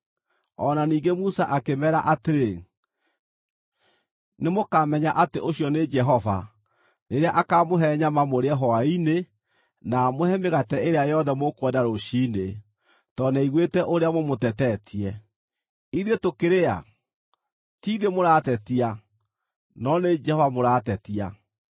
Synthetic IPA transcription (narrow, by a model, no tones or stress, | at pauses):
ɔnaniːŋɡemusaʔakemɛɾaʔateɾe | nemokamɛɲaʔateʔoɕjɔned͡ʒɛɦɔva̰ | neɾeaʔakamoɦɛɲamamoɾeɛɦɔaine | namohɛmeɣatɛeɾeajɔðɛmokwɛdaɾoɕiːne | tɔnaiɣwetɛʔoɾeamomotɛtɛtʰiɛ | iðetokeɾea̰ | tiːðemoɾatɛtia | nɔned͡ʒɛhɔvamoɾaːtɛtia